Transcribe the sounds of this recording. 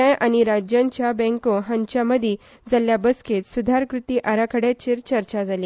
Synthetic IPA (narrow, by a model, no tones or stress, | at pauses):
ajʔañiɾad͡ʑjãɲt͡ɕjabɛ̃ŋkoɦəɲt͡ɕaməd̪ʱi | d͡zaljabəsket̪sud̪ʱaɾkɾut̪iːʔaɾakʰəɽjat͡ɕiːɾt͡ɕəɾt͡ɕad͡zaliː